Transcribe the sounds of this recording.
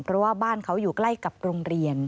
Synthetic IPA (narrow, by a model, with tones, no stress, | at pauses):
pʰɾɔ˦˥waː˥˩baː˥˩nkʰa˦˥wjuː˨˩kla˥˩jka˨˩p̚ɾo˧ŋɾi˧ən